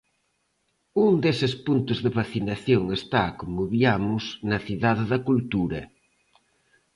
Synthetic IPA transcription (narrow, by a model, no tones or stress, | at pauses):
uŋd̪esɪspunt̪ʊzðɪβaθinaθjoŋest̪akomʊβiamʊsnɐθiðaðɪðɐkult̪uɾɐ